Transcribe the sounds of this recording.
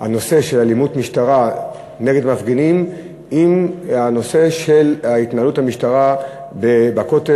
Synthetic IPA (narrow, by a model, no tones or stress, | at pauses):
ha̰no̞se̞ʃe̞lalimutmiʃtaʁa | ne̞ɡed̪mafɡenim | imano̞se̞ʃe̞lait̪naaluthamiʃtaʁa | bebako̞te